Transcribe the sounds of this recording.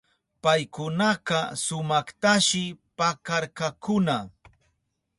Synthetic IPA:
pajkʊnɑqɑsʊmɑχt̪aʃɪpakaɾkakʊna

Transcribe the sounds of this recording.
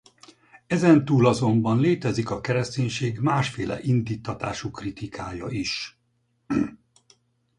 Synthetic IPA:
ɛzɛnt̪uːlɒzo̞mbɒnleːt̪ɛzikɒkɛɾɛst̪eːɲʃeːɡmaːʃfeːlʔɛ̰ʔind̪iːt̪ːɒt̪a̰ːʃukrit̪ikʰaːjɒiʃ

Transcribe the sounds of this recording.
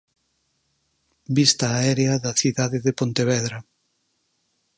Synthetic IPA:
bist̪ɐːɛɾeɐðɐθiðaðeðepont̪eβɛðɾɐ

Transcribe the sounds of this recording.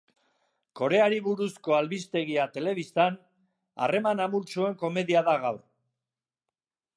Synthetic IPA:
ko̞ɾe̞aɾiβuɾusko̞alβist̪e̞ɣiat̪e̞le̞βist̪an | a̰re̞manamult͡ʃue̞ŋko̞me̞ðiaðaɣawr

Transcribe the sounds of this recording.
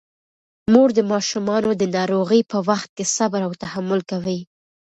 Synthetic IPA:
muɾd̪əmɑʃumɑnod̪ənɑɾoɣəjpəwaxt̪̚kesabɾawt̪ahamʊlkawi

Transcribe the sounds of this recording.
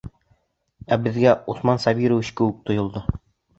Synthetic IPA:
æbɘ̆ðɡæusmɑnsɑbiɾɘwɘɕkɘ̆wɘk̚t̪ŏjŏlˠd̪ɤ

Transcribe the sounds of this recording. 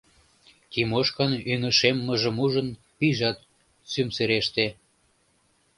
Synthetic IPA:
t̪ʲimoʃkɑnynəʃemːə̆ʒə̆muʒə̆n | piʒɑt̪ | symseɾeʃt̪e

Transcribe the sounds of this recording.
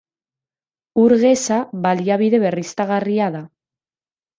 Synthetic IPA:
uɾɣe̞saβaliaβ̞iðe̞βe̞rist̪aɣariaða

